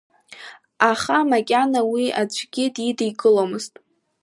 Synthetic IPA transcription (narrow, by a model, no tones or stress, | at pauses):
aχamakʲʼanawiad͡ʒʷʰɡʲɪdidijɡʼɨlomɨztʼ